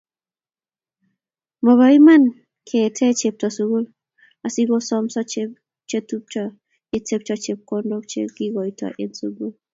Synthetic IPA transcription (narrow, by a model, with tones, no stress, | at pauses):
mɔ˨βa˨i˦ma˦n | kʰe˨tʰɛ˦t͡ʃe˨p̚tɔ˨so˨ɡo˦l | a˨si˦ɡo˦sɔ˦msɔ˦t͡ʃe | t͡ʃe˦tu˦p̚t͡ʃa˦ | ɪ˦te˦p̚t͡ʃɔ˦t͡ʃe˨p̚kɔ˦ndo˦k̚t͡ʃḛ˦ɡi˦ɡɔ˨i˨tʰɔ̰˨ʔe˦nso˨ɡu˦l